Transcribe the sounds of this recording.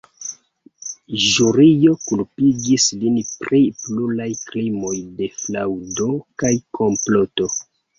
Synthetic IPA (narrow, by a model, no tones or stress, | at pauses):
ʒuɾijo̞kulpiɡislinpɾiplulajklimo̞jde̞flawdo̞kajkʰo̞mploto̞